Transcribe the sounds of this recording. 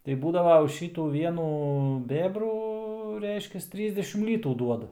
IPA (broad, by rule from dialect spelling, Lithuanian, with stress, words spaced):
tɐɪ ˈbuːdɐʋɐ ʊʃ ˈʃʲiːtuː ˈʋʲiɛnuː ˈbʲeːbruː ˈrʲɛɪʃʲkʲɛs ˈtʲrʲiːzʲdʲɛʃʲɪm ˈlʲiːtuː ˈduɔdɐ